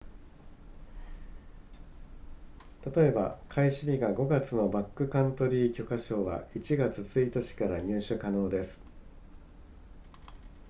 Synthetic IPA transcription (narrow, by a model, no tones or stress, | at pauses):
t̪at̪o̞e̞ba̰kʰaiɕimʲiɡaɡo̞ɡat͡sɨno̞bakːɯ̟kãnt̪o̞ɾʲiːkʲo̞kaɕo̞ːβa̰it͡ɕiɡat͡sɨt͡sɨit̪at͡ɕi̥kaɾaɲ̟ɨːɕɨkano̞ːd̪e̞sɨ̥